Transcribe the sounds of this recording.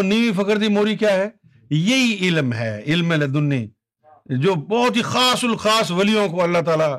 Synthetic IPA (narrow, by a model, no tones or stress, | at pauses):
niːʋifɐkəɾd̪imoːɾikjaːɦɛː | jɐɦiɪlmɦɛ̰ːɪlmẽled̪ʊnːi | d͡ʒoːbɔːt̪ɦixaːsʊlxaːsʋɐlijõkoɐlːat̪aːla